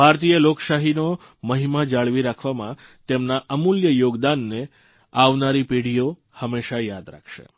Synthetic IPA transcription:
bʱaɾt̪ijəlokʃaɦino | məɦimad͡ʒaɭʋiɾakʰʋamãt̪emnaʔəmuljəjoɡd̪anːe | aʋnaɾipeɽ̤ijo | həmeʃajad̪ɾa̰kʰʃḛ

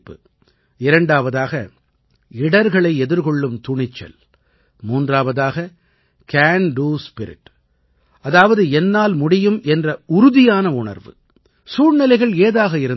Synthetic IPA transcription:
pːɯ̰ | ɪɾɐɳɖaːʋɐðaːɣɐ | ɪɽɐɾɣɐɭɐɪɛðɪɾɣɔɭːɯmt̪ʊɳɪt͡ʃːɐ̰l | muːndraːʋɐðaːɣɐ | kaːnɖuːspɪɾɪ̰ʈː | ɐðaːʋɐðɯɛnːaːlmʊɽɪjɯmʔɛndrɐʊɾʊðɪjaːnɐʊɳɐ̰ɾʋɯ̰ | suːrnɪlɐɪɣɐɭeːðaːɣɐɪɾɯ

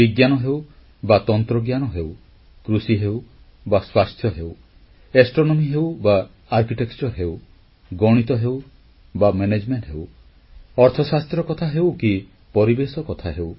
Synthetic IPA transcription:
biɡjanɔɦew | bat̪ɔnt̪ɾɔɡjanɔɦew | kɾusiɦew | baswast̪ʰjɔɦew | esʈɾonɔmiɦewbaː | ɾkiʈekt͡ʃɔɾɦew | ɡɔɽ̃it̪ɔɦew | bamened͡ʒmeɳʈɦew | ɔɾt̪ʰɔsast̪ɾɔkɔt̪ʰaɦewki | pɔɾibesɔkɔt̪ʰaɦew

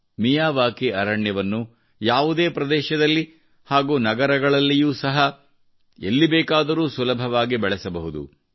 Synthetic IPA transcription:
mijaːʋaːkiɐɾɐɳjɐʋɐnːu | jaːʋud̪eːpɾɐd̪ɛːʃɐd̪ɐlːi | haːɡuːnɐɡɐɾɐɡɐɭɐlːijuːsɐɦɐ | ḛlːibeːkaːd̪ɐɾuːsulɐbʱɐʋaːɡibɛɭɛsɐbɐɦud̪ṵ

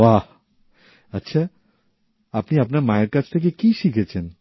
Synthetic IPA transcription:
wa | ɐtːɕʰa | apniapnaɾmaeɾkat͡ɕʰt̪ʰek̬ekiʃikʰet͡ɕʰen

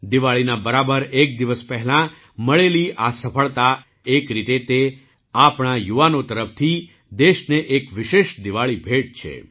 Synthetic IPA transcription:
d̪iʋaɭinabəɾabəɾek̚d̪iʋəspɛɦɛlã | məɭeliʔasəfʰəɭt̪a | ekɾit̪et̪e | apɳajuʋanot̪əɾəpt̪ʰi | d̪eʃneʔekʋɪʃeʃd̪iʋaɭibʱeʈ̚t͡ʃʰḛ

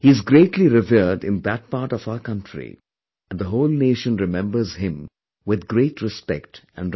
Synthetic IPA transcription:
hiɪzɡɾeːʈʰliɾɪvilɖɪ̰̃nd̪æt̚paːʈɔvaʊəkʌ̃ntʰɾḭ | æ̃nd̪əɦoːlneːʃə̃nɾɪmɛ̃mbəɾz̥ɦɪ̃m | wɪd̪ɡɾeːʈʰɾɪspɛktæ̰̃n

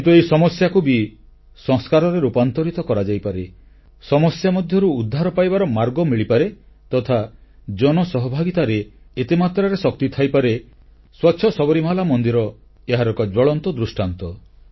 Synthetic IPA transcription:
nt̪ueisɔmɔsjakubi | sɔŋskaɾɔɾeɾupant̪ɔɾit̪ɔkɔɾad͡ʒajpaɾe | sɔmɔsjamɔd̪ʱjɔɾuːd̪ʱːaɾɔpajbaɾɔmaɾɡɔmiɭipaɾe | t̪ɔt̪ʰad͡ʒɔnɔsɔɦɔbʱaɡit̪aɾeː | t̪imat̪ɾaɾesɔk̚t̪it̪ʰajpaɾe | swatːʃʰɔsɔbɔɾimaɦlamɔnd̪iɾɔ | eɦaɾɔkɔd͡ʒɔɭɔnt̪ɔd̪ɾusʈant̪ɔ

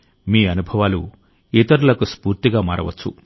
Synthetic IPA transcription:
miːɐnubʱɐʋaːlu | it̪ɐɾulɐkuspuːɾt̪iɡaːma̰ːɾɐ̰ʋɐ̰t͡ʃːṵ

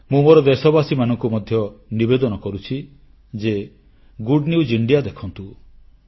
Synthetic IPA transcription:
mũmoɾɔd̪esɔbasimanɔŋkumɔd̪ʱjɔnibed̪ɔnɔkɔɾut͡ʃʰi | d͡ʒe | ɡuɖniud͡ʒiɳɖijad̪ekʰɔnt̪u

